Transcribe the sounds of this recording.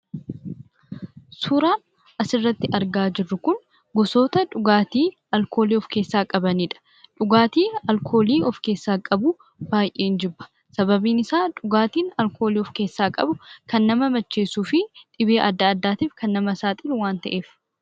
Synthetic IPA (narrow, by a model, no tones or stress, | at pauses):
suːɾaːn | ʔɐsɪrːɐt̪ːɪʔɐɾɡaːd͡ʒɪrːʊkʊn | ɡɔso̞ːt̪ɐᶑʊɡaːt̪iː | ɐlkʰo̞ːliːɔfke̞ːsːaːkʼɐbɐniːᶑɐ̥ | ᶑʊɡaːt̪iːɐlkʰo̞ːliːɔfke̞ːsːaːkʼɐbʊ | b̥aːjʔeːnd͡ʒɪbːɐ̥ | sɐbɐbiːnɪsaːᶑʊɡaːt̪iːnɐlkʰo̞ːliːɔfke̞ːsːaːkʼɐbʊkɐnːɐmɐmɐt͡ʃːe̞ːsuːfɪt̪ʼɪbeːʔɐd̪ːɐːd̪ːaːt̪iːfkɐnːɐmɐsaːt̪ʼɪlwaːnt̪ɐ̰ʔe̞ːf